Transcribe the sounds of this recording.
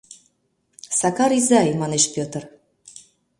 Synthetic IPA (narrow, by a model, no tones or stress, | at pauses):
sɑkɑɾizɑjmɑneʃpʲøt̪ə̆r